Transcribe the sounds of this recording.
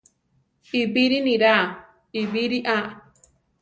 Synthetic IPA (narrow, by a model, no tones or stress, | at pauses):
ibiɾinĩɾa | ibiɾiʔaʔ